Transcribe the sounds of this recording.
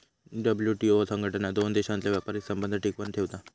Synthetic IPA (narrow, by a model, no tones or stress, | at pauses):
ɖəbljuʈiosəŋɡʱəʈənad̪ond̪eɕãnt̪ljaʋjapaɾit̪səmbənd̪ʱəʈʰikʋənt̪ʰeʋt̪a